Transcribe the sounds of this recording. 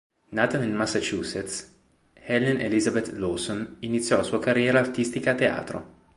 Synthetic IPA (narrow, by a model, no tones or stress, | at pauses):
naːt̪anelmasːat͡ʃuːset̪s | hɛlːenʔḛlizabet̪losoninit̪sːjɔlasuːakarːjɛːɾaːrt̪ist̪ikaːt̪ːea̰ːt̪ɾo̰